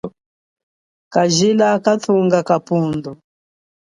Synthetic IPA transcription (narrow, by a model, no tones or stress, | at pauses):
kaʒilakat̪ʰuŋɡakapundu